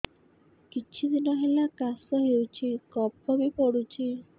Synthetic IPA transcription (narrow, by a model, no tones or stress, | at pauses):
kit͡ʃʰid̪inɔɦelakasɔɦewt͡ʃʰikɔpɔbipɔɽut͡ʃʰi